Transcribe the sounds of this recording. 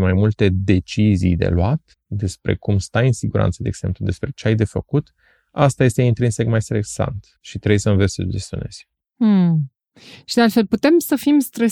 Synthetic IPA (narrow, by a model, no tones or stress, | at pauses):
majmult̪e̞d̪e̞t͡ʃizḭjd̪e̞̰lwat̪ | d̪e̞spɾe̞̰kumst̪ajɨnsiɡuɾʔa̰nt̪səd̪eeɡ̥se̞mplud̪e̞spɾe̞t͡ʃeajd̪e̞fəkut̪ | ast̪aje̞st̪eint̪ɾinse̞kmajst̪ɾeksa̰nt̪ | ʃit̪ɾejsənvesʲsə̰d͡ʒest̪jo̰ne̞̰z̥̩ʲ | ʃid̪ealt̪felput̪e̞msəfimst̪ɾə